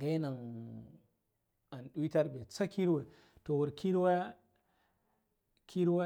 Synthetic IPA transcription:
ɡa˨˦i˦na˨ŋ | a˨nɗu˦i˦ta˦ɾbe˨t͡sa˦ki˦ɾwe˨ | to˨wu˨ɾkʰi˦ɾwa˦ | kʰi˦ɾwa˦

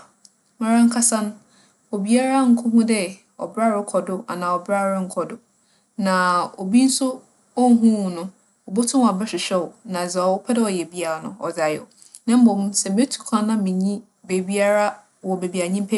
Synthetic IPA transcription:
mã˨ɾã˦ŋ̩˦kʰa˦sã˦ñ˦ | o˨bi˦a˦ɾa˦ŋ̩˦kʰʊ˦ɦʊ̃˦dɛ˦ | ɔ̰˨bɾa˦˨ɾɪ˦kʰɔ˨dʊ˦a˨nã˨ɔ˨bɾa˦˨ɾa˦ŋ̩˦kʰɔ˨dʊ˨ | nã˨o˨bi˦n̩˦sʊ˦ | ɔ˦ɦũ˦˨nʊ̃˦ | ɔ˨bo˦tʰʊ̃˦wa˨bɛ˦ɕɪ˨ɕᶣɛ˦wɔ˨nã˨d͡za˨wʊ˦pʰɛ˦dɛ˦ɔ˨jɛ˨bi˦a˨ɾa˨nʊ̰̃˨ɔ˨d͡za˨jɪ̰˨ | nã˦m̩˦bɔ̃˨mũ˦m˦sɛ˨mɪ˦tʰu̥˨kʰã˦nã˦mɪ̃˨ɲĩ˦ | be˨bi˦a˦ɾa˦ | wɔ˨be˨bi˨a˨ɲĩ˦m˦pʰe˦

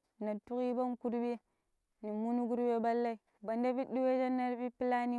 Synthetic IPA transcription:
na˨tu˦ki˦ba˦nku˦ɾbe˦ | ni˨mu˦nu˦ɡu˦ɾbe˦ba˦lːa˦i˨ | ba˨nda˦bi˦di˦we˦d͡ʒa˦nːa˦ɾbi˦pi˦la˦ni˦

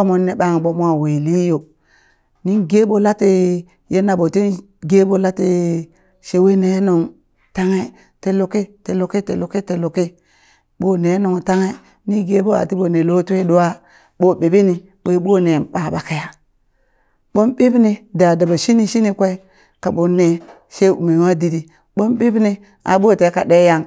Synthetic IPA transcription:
mo˨nːe˨ɓa˦ŋ˨ɓo˦mo˦a˨we˨li˦jo˨ | ni˦ŋɡe˦ɓo˦la˦te˨ | je˦na˨bo˨ti˦n | ɡe˦bo˦la˦te˨ | ʃe˦we˦ne˨˦no˨ŋ | ta˦ŋe˦ | te˨lo˨ke˦te˨lo˨ke˦te˨lo˨ke˦te˨lo˨ke˦ | ɓo˦ne˨˦no˨ŋta˦ŋe˦ | ni˦ɡe˦bo˦a̰˨ti˦bo˨ne˨lo˦te˦do˦wa˦ | ɓo˦ɓe˨bi˦ni˨ | ɓe˦bo˦ne˨ɓa˨ba˨ka˨ja˨ | ɓo˦mɓi˦bni˨da˨da˨ba˨ʃi˦ni˦ʃi˦ni˦kʷe˦i˦ | ka˨ɓo˨ne˨ | ʃe˦u˨me˨wa˦di˨di˨ | ɓo˦mbi˦bni˦ | a̰˨ɓo˦˨te˨˦ka˨de˦ja˨ŋ

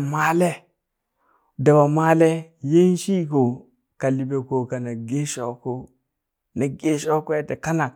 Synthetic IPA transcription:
ma˦le˦ | da˨ba˨ma˦le˦ | je˦n˦ʃi˦ko˨ | ka˨li˨be˦ko˨ka˨na˨ɡe˦ʃo˨ko˦ | na˨ɡe˦ʃo˦ko˦ja˦te˨ka˦na˨k

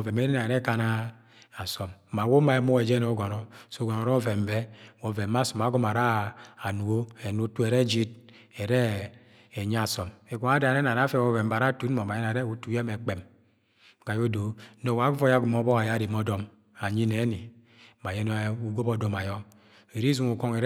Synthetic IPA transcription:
ɔ˨ve˨me˦e˦na˨ɾe˦ka˦na˦ | a˨so˨m˦ma˨wo˦ma˨e˨mo˦e˨d͡ʒe˦no˦ɡɔ˨nɔ˨so˦ɡɔ˨nɔ˨ɾɔ˦ve˨m˨ve˦wo˨ve˨mː˦a˦˨sɔ˨ma˨˦ɡu˦ma˨ɾa˦a˨nu˨o˦e˨nu˦tu˦e˨ɾe˦d͡ʒi˦t̚ | e˨ɾe˦ | e˨ɲa˦a˨sɔ˨me˨ɡʷɔ˨ŋa˦da˨ne˦na˨na˨˦fe˦wo˦ve˨mba˨ɾa˦tu˦n˦mo˨ma˨je˦n˨ɾe˦u˦tu˨je˦me˨k͡pe˨m˨ | ka˨jo˦do˨˦no˨wa˨˦ɡvo˦a˦ɡu˨mɔ˦bɔ˦ɣa˨ja˦de˨m˦ɔ˦dɔ˦m | a˨ɲi˦ne˨˦ni˨ | ma˨je˦n˦u˦ɡo˦bɔ˦dɔ˦ma˨jɔ˦ | e˨ɾi˦zu˨ŋo˨ko˦ŋe˨ɾ

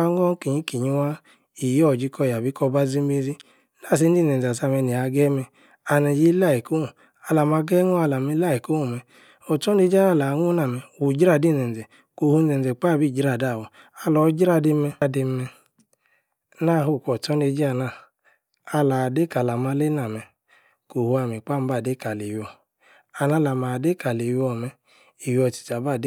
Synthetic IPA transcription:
a˧˦ŋɔ˦ki˨ɲi˦ki˨ɲi˧˦wa˦ | i˨jɔ˦˨d͡ʒi˨˦kɔ˧˨ja˨bi˨˦kɔ˧ba˦zi˦me˧zi˦ | na˦˨s̬i˦i˦˨ɛ˨a˨sa˧˨mɛ˧ni˨a˧˦ɡɛ˦mɛ˧ | a˨nɛ˨d͡ʒi˧˦la˦˨i˨ko˦u˨ | a˧la˨ma˧ɡɛ˦ŋu˦a˧la˨me˧˦la˦˨i˨ko˦u˨mɛ˧ | ɔ˨tɔ˦n˦e˧˦d͡ʒa˦na˧˨la˨˦ŋu˦na˦˨mɛ˧wu˨d͡ʒɾa˦˨di˦˨nɛ˨n˨d͡zɛ˨ | ko˨hu˧˦n˦zɛ˨n˨d͡zɛ˨k͡pa˦˨bi˦˨d͡ʒɾa˨da˨wɔ˨ | a˧lɔ˨˦d͡ʒɾa˧de˧˦mɛ˧de˧m˦mɛ˧ | na˦˨ɦu˦˨kɔ˨tɔ˦ne˧d͡ʒi˦a˧˨na˦˨ | a˧la˨de˦ka˨la˨ma˧le˦na˨mɛ˧ | ko˨hu˧a˧˨mi˨k͡pa˦m˦ba˦˨de˦ka˨le˨wɔ˨ | a˨na˨˧˦la˨ma˨de˦ka˨le˨˧˦ɔ˧˨mɛ˧ | i˨wi˧˦ɔ˧˨ti̥˨ta˨ba˦˨d

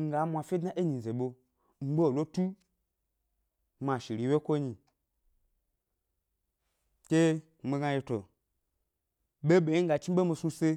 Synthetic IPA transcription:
ŋ̩˦ɡa˨˦mʷa˧˨fe˦dna˦ʔe˦ɲi˨ze˨ɓo˧ | m̩˦ɓo˦˨lo˦tu˦ | ma˨ʃi˨ɾi˨wje˦kʷo˦ɲi˨ | ke˦ | me˧ɡa˧ji˧to˨ | ɓe˦ɓe˨ji˦ŋ̩˦ɡa˨t͡ʃi˦ɓe˦me˧su˧se˧

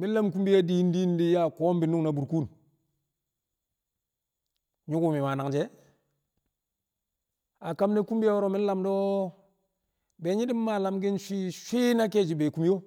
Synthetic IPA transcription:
mi˦n˦la˦mku˦bi˦ja˦di˦n˦di˦n˦di˦ja˦˨ko˦m˦bi˨nu˦ŋna˨bu˨ɾku˦˨n | ɲu˦ku˨mi˨ma˨na˨ŋd͡ʒe˦ | a˨ka˦mne˦ku˦mbi˦ja˦ɾo˦mi˦n˦la˦mdo˦ | be˨˦ɲi˦di˦mː˦a˨la˨mɡi˦nʃʷi˦ʃʷi˦na˦ke˦˨d͡ʒi˨be˨ku˦m˦o˦

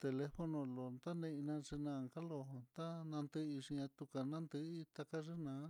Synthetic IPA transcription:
t̪e˧le˧fo˦nõ˧lo˨nd̪a˦nẽ˧i˧nã˧ʐi˧nã˧˨ka˦lo˧˨nt̪a˦nã˧nd̪ɨ˧i˧ʂi˧ɲã˧t̪u˧ka˨nã˦nd̪ɨ˧˦i˦t̪a˧ka˦ʐi˦nãː˨˦

